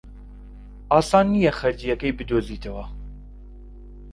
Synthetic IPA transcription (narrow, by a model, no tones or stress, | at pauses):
ɑːsɑːnːijɛxɛɾd͡ʒ̪ijɛkɛjbɨd̪oːziːt̪ʰɐwɐ